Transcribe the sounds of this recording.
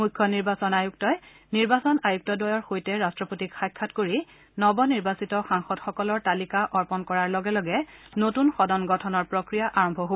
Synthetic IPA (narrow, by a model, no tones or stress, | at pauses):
mukʰːɔniɹbasɔnajuk̚tɔj | niɹbasɔnajuk̚tɔdɔjɔɹxojtɛɹastɹɔpotikxajkʰːatkoɹi | nɔbɔniɹbasitɔxaŋxɔtxɔkɔlɔɹtalikaʔɔɹpɔnkɔɹaɹlɔɡɛlɔɡɛnotunxɔdɔnɡɔtʰɔnɔɹpɹokɹijaʔaɹɔmbʱɔɦo